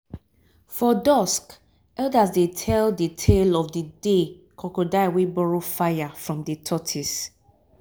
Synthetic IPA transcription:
fɔdɔsk | ɛdasdetʰɛlditʰelɔfdədekʰɔkodaɪwebɔɹofajafɹɔ̃mdetʰɔtʰis

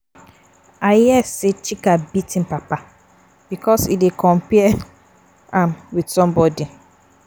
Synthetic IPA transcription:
ajɛset͡ʃikabitʰĩn̩papa | bikʰɔsḭdekʰɔ̃mpɛ | ãmwidsɔ̃mbɔdi

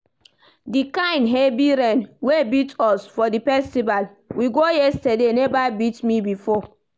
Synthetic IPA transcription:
dikãɪ̃nɦebiɾɛ̃nwebitɔsfɔdipɛstival | wiɡojɛstɛdenɛvabitmibifɔ

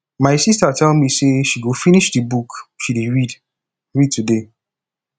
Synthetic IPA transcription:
maɪsistatʰɛlmiseʃiɡofiniʃdibukʃideɹid | ɹid̚tude

